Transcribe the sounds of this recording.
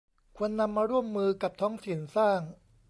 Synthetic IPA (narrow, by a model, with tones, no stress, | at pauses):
kʰu˧ənːa˧mːaː˧ɾu˥˩əmːɯː˧ka˨˩p̚t̪ʰɔː˦˥ŋt̪ʰi˨˩nsaː˥˩ŋ